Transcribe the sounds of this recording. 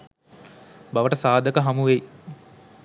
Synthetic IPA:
baʋəʈəsaːd̪əkəɦamuʋej

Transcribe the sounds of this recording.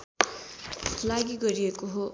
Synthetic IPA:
laɡiɡʌɾiekoɦo

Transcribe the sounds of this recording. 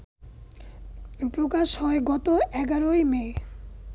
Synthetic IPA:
pɾokaʃhɔeɡɔt̪oʔɛɡaɾojme

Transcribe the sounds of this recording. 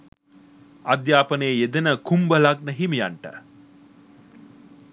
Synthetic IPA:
ɐd̪jaːpəneːed̪ənəkumbəlaɡ̚nəɦimijaɳʈə̰

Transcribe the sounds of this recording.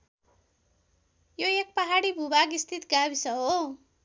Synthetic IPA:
joek̚pʌɦaɽibʱubaɡist̪ʰit̪ɡabisʌɦo

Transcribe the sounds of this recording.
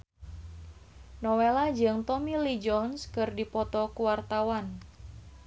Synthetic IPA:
nɔwelad͡ʒɨŋt̪ɔmilid͡ʒɔnskɨrdipɔt̪ɔkuwart̪awan

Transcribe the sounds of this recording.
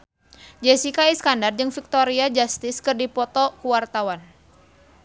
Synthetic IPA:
d͡ʒɛsikaiskandard͡ʒɨŋfik̚t̪oɾiad͡ʒast̪ɪskɨrdipɔt̪ɔkuwart̪awan

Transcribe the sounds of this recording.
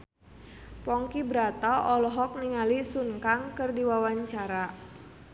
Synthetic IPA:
pɔŋkibɾat̪aʔɔlɔɦɔk̚niŋalisuŋkaŋkərdiwawaɲt͡ʃaɾa

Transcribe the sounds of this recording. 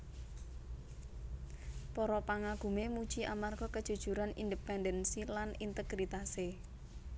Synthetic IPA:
pɔɾɔpaŋaɡ̥ṳmemu̥t͡ʃiʔamarɡɔkəd̥ʒ̥ṳd̥ʒ̥ṳɾanḭndəpɛndənsilanint̪əɡ̥ɾit̪ase

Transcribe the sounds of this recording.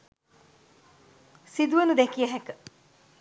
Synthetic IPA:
sid̪uənud̪ɛkijəɦækə

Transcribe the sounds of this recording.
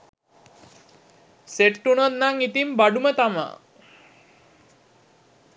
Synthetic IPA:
seʈːunot̪̚naŋit̪imbaɖumət̪ama̰

